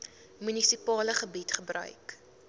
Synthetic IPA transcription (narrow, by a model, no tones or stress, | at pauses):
mynisipɑːləχəbitχəbrœ̰ɥk